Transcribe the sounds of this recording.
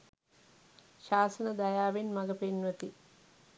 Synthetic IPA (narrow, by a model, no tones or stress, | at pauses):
ʃaːsənɐd̪ajaːʋinmɐɡəpenʋət̪i